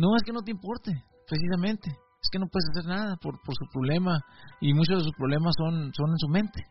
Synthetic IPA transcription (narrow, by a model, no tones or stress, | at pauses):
no̞e̞ske̞no̞t̪̬eimpo̞ɾt̪e | pɾes̬is̬amẽnt̪e̞ | eske̞no̞pwe̞ðes̬ase̞ɾnaðapoɾpoɾsupɾo̞βle̞maimut͡ʃozðes̬uspɾoβ̞le̞masːo̞nso̞ne̞nsumẽ̞nt̪e̥